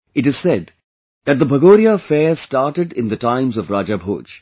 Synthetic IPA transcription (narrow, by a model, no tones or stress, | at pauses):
ɪʈɨz̥sɛd | ðæt̚d̪əbʱəɡoːɾijafɛːstaːʈəɖɪ̃nd̪əʈãɪ̃mzɔvɾaːd͡ʒabʱo̰ːd͡ʒ